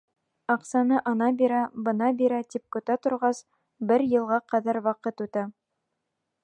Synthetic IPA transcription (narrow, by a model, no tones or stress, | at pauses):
ɑqsɑnɤʔɑnɑbiɾæbɤ̆nɑbiɾæt̪ip̚kɵ̆t̪æt̪ŏɾʁɑs | bɘɾjɤ̆lˠʁɑqɑðæɾwɑqɤt̪ʉt̪æ